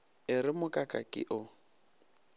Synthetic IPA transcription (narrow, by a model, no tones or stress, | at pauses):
ɪrɪmʊkʼakʼakʼɪ̰ʔʊ